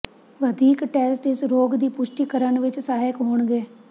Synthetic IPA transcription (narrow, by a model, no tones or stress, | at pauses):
ʋəd̪iːkʈɛːsʈɪsɾoːɡd̪iːpʊʃʈiːkəɾənʋɪt͡ʃsaːɦɪkɦoːɳɡeː